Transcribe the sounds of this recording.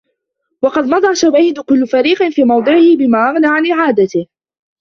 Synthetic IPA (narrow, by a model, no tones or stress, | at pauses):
wɑqɑd̪mɑd̪ˤɑʃawaːiːd̪ʊkʊlːʊfaɾiːqɪnfiːmɑwd̪ˤɨʕɪhɪbɪmaːʔaɣnaːʕanʔɪʕaːd̪at̪ɪh